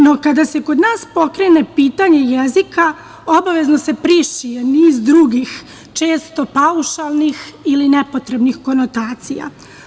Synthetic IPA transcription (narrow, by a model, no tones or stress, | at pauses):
no̞kad̪ase̞ko̞d̪naːspo̞kɾe̞ne̞piːt̪aɲe̞jezika | o̞baʋe̞zno̞se̞pɾiʃije̞niːzd̪ɾuɡix | t͡ʃe̞ːst̪o̞pauʃalˠnixiline̞po̞t̪ɾe̞bnixko̞not̪aːt̪sḭja̰